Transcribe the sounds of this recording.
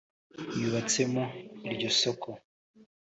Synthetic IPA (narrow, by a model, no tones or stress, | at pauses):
jiβat͡se̞moiɾɟosokʰo